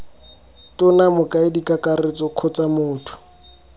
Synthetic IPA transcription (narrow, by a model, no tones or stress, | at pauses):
tʊnamʊkʼaɪdikakaret͡sɔkʰɔt͡samʊːtʰʊ̥